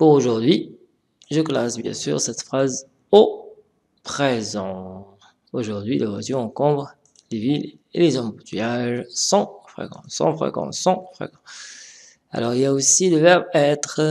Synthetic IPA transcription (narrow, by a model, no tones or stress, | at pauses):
puʁoʒuʁd̪ɥi | ʒəklasbjɛ̰̃sy̰ʁsɛt̪fχaz | o | pχezɑ̃ | oʒuʁd̪ɥilava̰zyɑ̃kɔ̃bʁ | levil | ḛlezɑ̃but̪ʰyjaʒsɑ̃fχḛkɑ̰̃sɑ̰̃fχḛkɑ̰̃sːɑ̃fχḛkɑ̃ | a̰lɔʁiljaosiləvɛʁbaɛt̪χ